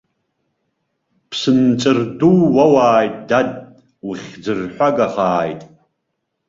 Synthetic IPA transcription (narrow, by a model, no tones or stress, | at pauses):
pʰsɨnt͡ʃʼɨrduwwawaːjtʼdad̚ | wʊχʲd͡zɨrħʷaɡaχaːjtʼ